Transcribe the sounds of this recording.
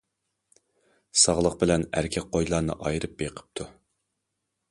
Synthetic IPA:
sɑʁlˠəq̚bɪlɛnæ̰ɾkʲʰɛk̚ʲqʰojlˠɑɾnɨ̰ʔɑjɾɨp̚beqʰə̥p̚t̪ʰu

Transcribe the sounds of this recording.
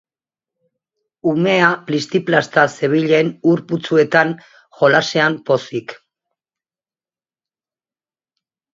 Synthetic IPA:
ume̞aplist̪iplast̪ase̞β̞iʎe̞nuɾput͡sue̞t̪an | ʝo̞laseampo̞sik

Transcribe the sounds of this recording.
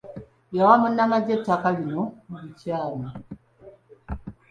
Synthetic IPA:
jawamunːamaɟetːakalinomuβicaːla

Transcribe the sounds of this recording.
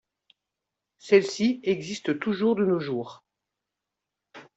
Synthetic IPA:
sɛlsiɛɡzist̪ət̪uʒuʁd̪ənoʒuːʁ

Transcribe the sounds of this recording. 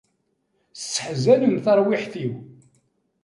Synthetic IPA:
sːə̥ħzæləmθɑɾˤwiħθiw

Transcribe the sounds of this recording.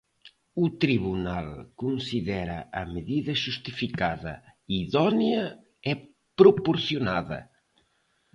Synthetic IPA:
ut̪ɾiβunalkonsiðɛɾɐ̰ʔɐmeðiðɐʒust̪ifikaðɐ̰iðɔnjɐ | ɛ | pɾopoɾθjonaðɐ̰

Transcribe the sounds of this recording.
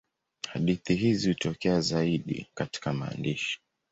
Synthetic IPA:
haɗiθiɦizihutɔkɛazaiɗḭkati̥kama̰ːndiʃi̥

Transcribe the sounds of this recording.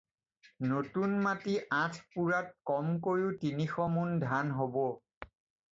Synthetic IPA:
notunmatiʔãtʰpuɹat̚kɔmkoɹiʊtinixɔmundʱanɦobɔ

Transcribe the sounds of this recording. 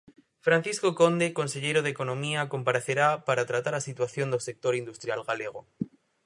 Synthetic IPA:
fɾan̟θisko̞ko̞nd̪e̞ko̞nseʎe̞ɾoð̞eko̞nõ̞miako̞mpaɾeθe̞ɾapaɾat̪ɾat̪aɾasit̪waθjo̞nd̪ose̞k̚t̪o̞ɾind̪ust̪ɾjalɣale̞ɣ̞o

